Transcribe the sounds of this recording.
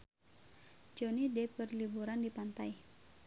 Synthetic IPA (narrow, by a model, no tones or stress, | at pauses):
d͡ʒonidɛp̚kərlibuɾandipant̪aj